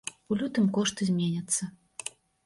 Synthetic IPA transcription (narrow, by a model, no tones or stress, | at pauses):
ulʲut̪ɨmkɔʂt̪ɨzʲmʲenʲɐt̪sːɐ